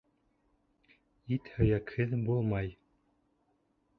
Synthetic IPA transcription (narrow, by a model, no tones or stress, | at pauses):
it̪hɵ̆jækhɘðbulˠmɑj